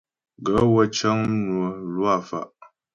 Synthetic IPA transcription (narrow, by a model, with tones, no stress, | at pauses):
ɡə˨˦wə˦t͡ʃa˦ŋ˦nu˨ə˨lwa˦˨fa̰˨ʔ